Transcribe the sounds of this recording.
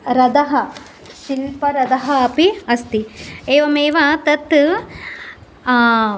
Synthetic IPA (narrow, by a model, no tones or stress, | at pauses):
ɾɐd̪ɐɦɐ | silpɐɾɐd̪ɐɦɐɐpiɐst̪ieːʋɐmeːʋɐt̪ɐt̪ː